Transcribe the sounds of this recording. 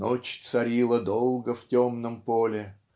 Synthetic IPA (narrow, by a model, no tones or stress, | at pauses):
ot͡ɕt̪sɐɾʲilˠəd̪olˠɡəftʲomnəmpolʲɪ